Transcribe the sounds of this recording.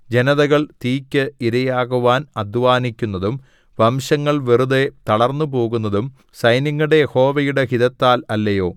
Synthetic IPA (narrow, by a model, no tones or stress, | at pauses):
d͡ʑenɐðɐɣɐɭt̪iːkʲːɨiɾɐjaːɣuʋaːnɐd̪ʱʋaːnikʲːunːɐðum | ʋɐmɕɐŋːɐɭʋeruðet̪ɐɽɐrnːup̬o̞ːɣunːɐðum | sɐjniŋːuɽe̞jeho̞ːʋɐjuɽe̞ɦiðɐt̪ːaːlɐlːɐjo̞ː